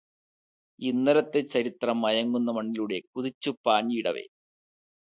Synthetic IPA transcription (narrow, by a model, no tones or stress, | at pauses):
inːɐɾɐt̪ːet͡ɕːɐɾit̪rɐmːɐjɐŋːunːɐmɐɳːiluɽe̞kuðit͡ɕːupːaːɲːiiɽɐ̰ʋe̞̰